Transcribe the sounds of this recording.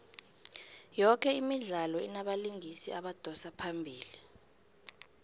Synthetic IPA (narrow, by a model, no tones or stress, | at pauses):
jɔkʰɛimiɮalɔɛ̰naɓaliŋʱisiaɓad̥ʱɔsapʰambʱiːli